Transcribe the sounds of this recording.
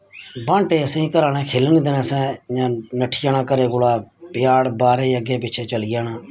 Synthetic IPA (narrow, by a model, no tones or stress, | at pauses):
bãːɳʈeːəsẽĩːkəɾaːnɛ̃ːkʰeːlənd̪ənẽːsɛ̃ːjãːnəʈʰːjãːnaːkəɾeːɡʊɽaːpɪjaːɽbaːɾeːəɡeːp̬ɪːt͡ʃʰeːt͡ʃəlɪjãːnaː